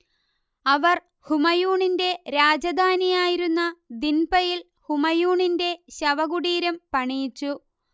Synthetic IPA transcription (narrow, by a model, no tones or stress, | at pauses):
ɐʋɐr | humɐjuːɳinde̞ɾaːd͡ʑɐd̪ʱaːnijaːjiɾunːɐd̪inbɐjil | humɐjuːɳinde̞ɕɐʋɐɣuɽiːɾɐmpɐɳijit͡ɕːu